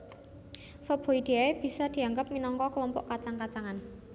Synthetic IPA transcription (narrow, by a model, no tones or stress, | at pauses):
fəb̥o̤id̪̥eaeb̥i̤sɔd̪̥i̤aŋɡəp̚minɔŋkɔkəlɔmpɔ̰ʔkat͡ʃaŋkat͡ʃaŋan